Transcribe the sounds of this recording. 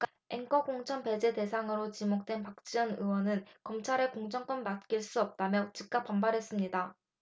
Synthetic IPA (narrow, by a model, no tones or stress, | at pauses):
k | eŋk͈ʌkoŋt͡ɕʰʌnpe̞d͡ʑe̞de̞sʰaŋɯɾot͡ɕimok̚t͈we̞npak̚t͡ɕ͈iʌnɯwʌnɯnkʌmt͡ɕʰaɾekoŋd͡ʑʌŋk͈ʌnːat̚k͈iɭs͈uʌp̚t͈amjʌt͡ɕik̚k͈ap͈ːambaɾɦe̞s͈ɯmɲida